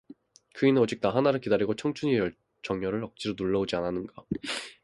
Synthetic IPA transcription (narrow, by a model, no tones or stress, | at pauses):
kɯinɯnʌd͡ʑik̚t͈aɦanaɾɯɭkidaɾiɡot͡ɕʰʌŋt͡ɕʰuɲijʌɭ | t͡ɕʌŋɲjʌɾɯɭʌk̚t͡ɕ͈iɾonuɭːʌod͡ʑiananɯnɡa